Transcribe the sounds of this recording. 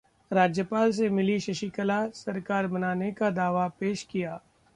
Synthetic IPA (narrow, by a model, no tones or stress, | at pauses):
ɾaːd͡ʒjəpaːls̬emɪliʃɐʃikəlasɐɾkaːɾbɐnaːnekad̪aːʋapeːʃkijaː